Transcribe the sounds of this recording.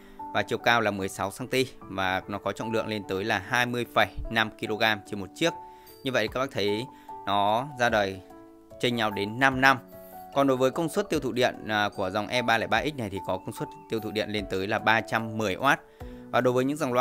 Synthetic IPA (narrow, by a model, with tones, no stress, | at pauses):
vaː˨˩t͡ɕi˨˩əwkaː˧wlaː˨˩mɨ˨˩əjsa˨˦wsaː˧ŋt̪i˧vaː˨˩nɔ˨˦kɔ˨˦t͡ɕɔ̰˧˨ŋ͡mlɨ̰˧˨əŋle˧nt̪əː˨˦jlaː˨˩ɦaː˧jmɨ˧əjfə˧˩jna˧mki˧lo˧ɣaː˧mt͡ɕe˧nmo˨˩t̚t͡ɕi˦˥ək̚ | ɲɨ˧ə̰˧˨ʔka˦˥ɓaː˦˥t̪ʰə˨˦jnɔ˨˦zaː˧ɗəː˨˩j | t͡ɕe˧nɲa˨˧˩wɗe˨˦nːa˧mna˧mkɔ˨˩nɗo˨˦jvəː˨˦jkə˧wŋ͡mswə˦˥t̪i˧əwt̪ʰṵ˧˨ɗḭ˧˨ənː˨˩ku˧˩əza˨˩wŋ͡mʔɛ˧ɓaː˧laː˧˩jɓaː˧ʔi˦˥na˨˩jt̪ʰi˨˩kɔ˨˦kə˧ŋ͡mswt̚t̪i˧əwt̪ʰṵ˧˨ɗḭ˧˨ənle˧nt̪əː˨˦jlaː˨˩ɓaː˧t͡ɕa˧mːɨ˨˩əjʔwʔaː˦˥t̚vaː˨˩ɗo˨˦jvəː˨˦ɲɨ̰˧˥ŋza˨˩wŋlwa˧